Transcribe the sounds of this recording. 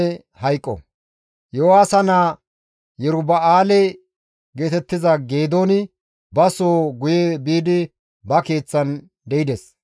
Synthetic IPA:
hɐjkʼːɔ̰ | jowaːsɐnaː | jɛɾʊbɐaːlɛ | ɡe̞ːt̪ɛt̪ːɪzɐɡe̞ːd̪oːnɪ | bɐsoːɡʊjɛbiːd̪ɪ | bɐke̞ːt͡sːɐn | d̪ɛjɪd̪ɛs

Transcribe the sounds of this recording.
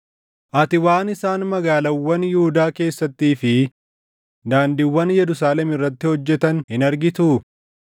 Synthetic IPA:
ʔɐt̪ɪwaːnɪsaːnmɐɡaːlɐwːɐnjɪhʊd̪aːke̞ːsːɐt̪ːiːfɪ | d̪aːnd̪ɪwːɐnjɛɾʊsaːlɛmɪrːɐt̪ːɪhɔd͡ʒːɛt̪ɐnhɪnɐɾɡɪt̪u

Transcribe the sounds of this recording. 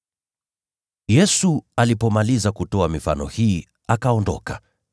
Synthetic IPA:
jɛsualipɔmalizakutɔamifa̰nɔ̰hiː | akaɔndɔ̰ka

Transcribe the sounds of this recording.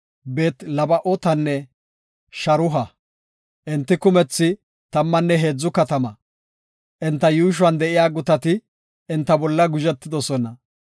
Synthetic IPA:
be̞ːt̪lɐbɐʔɔt̪ɐnːɛ | ʃɐɾʊɦɐ | ʔɪnt̪ːɪkʊmɛt͡sːɪ | t̪ɐmːɐnːɛɦe̞ːd͡zːʊkɐt̪ɐmɐ | ʔɛnt̪ːɐjuːʃ̬ʊwɐnd̪ɛʔɪjaːɡʊt̪ɐt̪ɪ | ɛnt̪ːɐbɔlːɐɡʊʒɛt̪ːɪd̪ɔsɔnɐ

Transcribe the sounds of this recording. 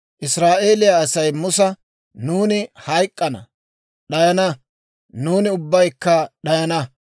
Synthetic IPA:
ʔɪsɾaːʔe̞ːlɪjaːsɐjmʊsɐ | nuːnɪhɐjkʼːɐnɐ̰ | ɗɐjɐnɐ | nuːnɪʊbːɐjkːɐɗɐjɐnɐ

